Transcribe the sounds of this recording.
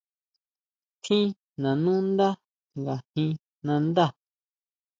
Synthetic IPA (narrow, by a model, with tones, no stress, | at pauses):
t̪ʰĩ˦ | nã˨nũ˦nd̪a˦ | ŋɡa˨hĩ˧ | nã˧nd̪a˦˨